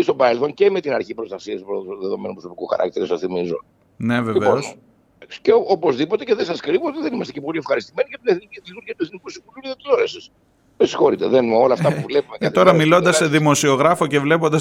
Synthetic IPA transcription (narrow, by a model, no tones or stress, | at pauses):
ist̪o̞bɐɾelθo̞nce̞me̞t̪inɐɾçipɾost̪ɐsiɐspɾoðeðo̞menupɾosopikuxɐ̰ɾɐ̰k̚t̪iɾesɐθimizo̰n | ne̞veliveoon | ceopo̞zðipo̞t̪e̞ce̞ðesɐskɾivoot̪iðe̞nimɐst̪cepoliefxɐɾist̪imeniʝɐp̪ineθniciðit̪uɾiɐt̪ueθnikusivululiðet̪iloɾesɐs | mesi̥xo̞ɾit̪eðenmo̞lɐːft̪ɐpuvlepumekeɐt̪o̞ɾɐmilo̞nd̪ɐsseðimo̞sio̞ɣɾɐfo̞ce̞vle̞po̞nd̪ɐs